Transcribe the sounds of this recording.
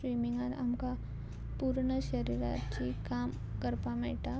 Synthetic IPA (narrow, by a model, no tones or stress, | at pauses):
wiːmɪ̃ŋɡanɐ̰mka | puːɾɳəʃəɾiːɾa̰ːt̪t͡ʃikaːm | kəɾpameːʈa